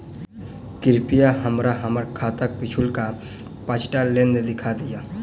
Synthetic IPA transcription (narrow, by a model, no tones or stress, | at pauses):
kɪɾpijaɦəmɾaɦəməɾkʰaːt̪ək̚pɪt͡ʃʰʊlka | pət͡ʃʰʈalẽnd̪d̪ɪkʰad̪ijaː